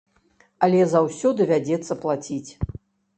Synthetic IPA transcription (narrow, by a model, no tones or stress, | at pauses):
ɐlʲɛzawsʲɔd̪ɨvʲad͡zʲɛt̪sːɐplˠat͡sʲit͡sʲ